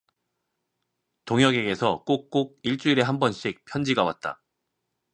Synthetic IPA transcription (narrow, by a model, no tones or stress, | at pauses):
toŋjʌɡe̞ɡe̞sʰʌk͈ok̚k͈oɡ̚iɭt͡ɕ͈uiɾe̞ɦambʌnɕ͈ik̚pʰjʌnd͡ʑiɡawa̰t̚t͈a̰